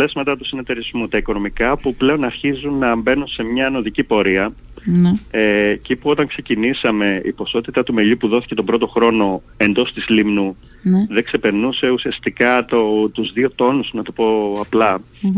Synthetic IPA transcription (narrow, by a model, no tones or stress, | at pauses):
lezmɐt̪ɐt̪usine̞t̪e̞ɾizmut̪ɐiko̞no̞mikɐpuple̞o̞nɐɾçizunːɐmbe̞nunse̞mɲɐno̞ðicipo̞ɾiɐ | neceipuo̞t̪ɐŋkse̞cinisɐme̞ḭpo̞so̞t̪it̪ɐt̪ume̞ʎupuðo̞θi̥ce̞t̪o̞bɾo̞t̪oxɾo̞no̞ | e̞nd̪o̞st̪izlimnu | ðe̞kse̞pe̞ɾnuse̞usiɐst̪ikɐt̪ot̪uzðio̞t̪o̞nuznɐt̪opo̞ɐplɐ